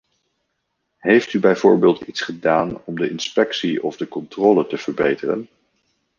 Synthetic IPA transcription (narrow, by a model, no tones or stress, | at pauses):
ɦejftybɛjv̥ʊːɹbeːlˠtitsχədaːnɔmdəʔɪnspɛksiɔvdəkɔntrɔːlətəv̥əɹbejtərə̰n